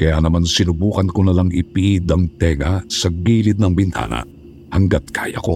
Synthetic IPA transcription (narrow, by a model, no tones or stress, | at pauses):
kɐjanɐmansɪnʊbuːkɐnkonɐlaŋɪpiʔid̪ɐŋt̪ɛːŋɐsɐɡiːlɪd̪̚nɐŋbɪnt̪a̰ːnɐ̰ʔ | hɐŋɡat̪̚kʰa̰ːjɐ̰ko̞̰